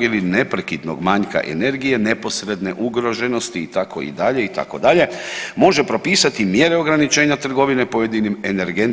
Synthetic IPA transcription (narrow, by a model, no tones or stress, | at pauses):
ɡiline̞pɾekid̪noɡmaɲka̰ʔḛne̞ɾɡije̞ne̞po̞sɾed̪ne̞ʔuɡɾo̞ʒe̞no̞st̪iːt̪akʰo̞̰ḭd̪aʎe̞it̪a̰ko̞d̪aʎe̞mo̞ʒe̞pɾo̞piːsat̪imje̞ɾe̞o̞ɡɾanit͡ʃe̞ːɲat̪r̩ɡo̞ʋine̞pojed̪inimeneɾɡen